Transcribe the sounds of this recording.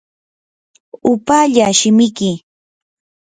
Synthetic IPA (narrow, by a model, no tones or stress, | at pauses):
ʊpaːʎaʃɪmɪkɪ